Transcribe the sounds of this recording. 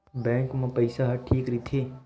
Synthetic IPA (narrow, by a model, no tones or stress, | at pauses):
bɛ̃ːŋkmɐ̃pɐɪsaɦɐʈʰiːkɾit̪ʰe